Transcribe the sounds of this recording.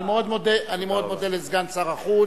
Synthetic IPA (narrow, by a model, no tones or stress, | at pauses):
meod̪mo̞d̪eʔanimeo̞d̪mo̞d̪elezɡansaʁaχu